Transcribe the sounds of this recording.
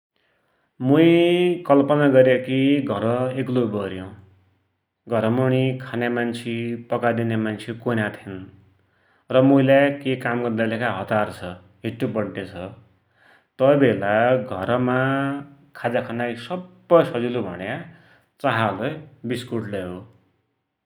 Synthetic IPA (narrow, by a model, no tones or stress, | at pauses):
muj̃kʌlpʌnaɡʌɾjekiɡʱʌɾʌeklobʌɾjõ | ɡʱʌɾʌmuñikʰanemant͡sʰipʌkad̪inemant͡sʰikonat̪ʰin | rʌmũlajkekamɡʌrd̪alekaɦʌt̪art͡sʰʌ | ɦiʈːubʌɽʈet͡sʰʌ | t̪ʌbʱelaɡʱʌɾma | kʰad͡zakʰanajsʌbːʌjsʌd͡zilubʱʌ̰nja | t͡saɦalʌjbiskuʈleɦo